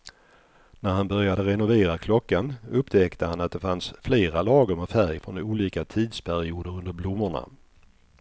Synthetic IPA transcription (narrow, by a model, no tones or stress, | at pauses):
næɾhanbœɾjad̪əɾɛnʊveːɾakʰlɔkːanɵpːt̪ʰɛkt̪əhanat̪̚d̪ɛfansfleːɾalɑːɡəɾmɛfæɾjfɾɔnuːliːkat̪ʰiːd̪spʰæɾɪuːd̪əɾɵnd̪əɾblʊmːəɳa̰